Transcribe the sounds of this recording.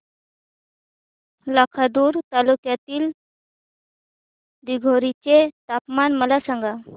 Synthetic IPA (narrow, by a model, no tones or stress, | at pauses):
lakʰad̪uːɾt̪alukjat̪iːl | d̪iɡʱoɾit͡ɕet̪apmanməlasãŋɡa